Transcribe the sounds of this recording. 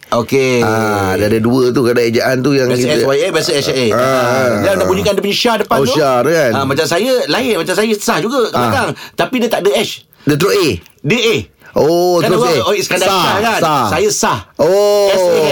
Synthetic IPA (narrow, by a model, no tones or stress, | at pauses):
okeadadəduət̪̬ukadaed͡ʒaʔant̪ujaŋbakiɛswajɛbiasəɛsaeaailadaʔbuɲikandəpəɲəʃadəpanot̪adkanə̃mat͡ʃamsajəlaɪʔ̚mat͡ʃamsajəsahd͡ʒuɡəkaakaŋt̪apidiət̪aʔdəɛʃ | dət̪ɾoedəʔe | ʔot̪aɾoseosə̥kandaaakanasajəsahoɛ